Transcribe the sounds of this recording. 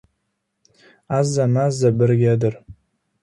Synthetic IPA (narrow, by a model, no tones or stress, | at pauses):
azanazabɨrɡʲadɨr